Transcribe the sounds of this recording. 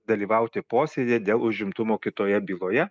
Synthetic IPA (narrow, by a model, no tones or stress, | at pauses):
d̪ɐlʲiːʋɐˑʊt̪ʲɪpoːsʲeːd̪ʲed̪ʲeːlˠʊʒʲɪmt̪ʊmoːkʲɪt̪oːjɛbʲiːlˠoːjɛ